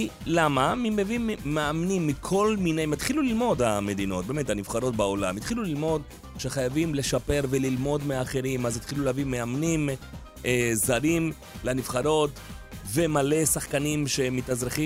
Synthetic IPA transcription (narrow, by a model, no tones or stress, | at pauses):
ilamamimevimːeamnimːikʰo̞lminejmat̪χilulilmo̞dame̞d̪ino̞t̚bemethanivχaɾo̞t̚bao̞lamit̪χilulilmo̞d | ʃeχajavimle̞ʃape̞ʁve̞lilmo̞d̪meaːχe̞ɾimazit̪χiluleavimeamnim | ʔezaɾim | lenivχaɾo̞t | ve̞male̞saχkanimʃe̞mitazʁeχi